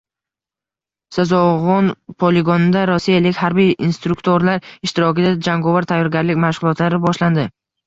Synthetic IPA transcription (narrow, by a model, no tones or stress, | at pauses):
sazɒʁɒnpʰoleɡonɪd̪aɾɒsːijalɪkʲhaɾbijinst̪ɾʊkt̪ʰoɾlaɾɪʃt̪ɪɾɒkʲɪd̪ad͡ʒaŋɡɒvaɾt̪ʰajːɒɾɡʲaɾlɪkʲmaʃʁʊlˠɒt̪laɾɪbɒʃland̪ɪ